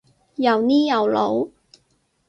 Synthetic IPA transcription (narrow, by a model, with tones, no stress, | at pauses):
jɐ˨wniː˥jɐ˨˧wlo˨˧w